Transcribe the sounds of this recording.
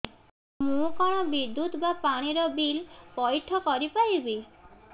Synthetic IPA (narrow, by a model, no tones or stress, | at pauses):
mũkɔɽ̃ɔbid̪ːut̪bapaɽ̃iɾɔbilpɔjʈʰɔkɔɾipajbi